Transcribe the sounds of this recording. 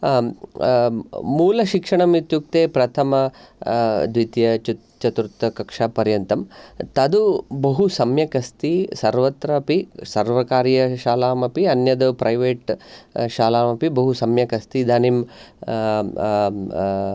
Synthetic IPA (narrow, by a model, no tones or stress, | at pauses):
muːlɐʃikʂɐɳɐmit̪juk̚t̪eːpɾɐt̪ʰɐmɐ | d̪ʋit̪jɐt͡ʃu | t͡ʃɐt̪uɾt̪ɐkɐkʂaːpɐɾjɐnt̪ɐmt̪ɐd̪ubɐɦusɐmjɐkɐst̪isɐɾʋɐt̪ɾɐpisɐɾʋɐkaːɾjɐʃaːlaːmɐpiɐnjɐd̪upɾɐjʋeːʈʃaːlaːmɐpibɐɦusɐmjɐkɐst̪id̪ɐnim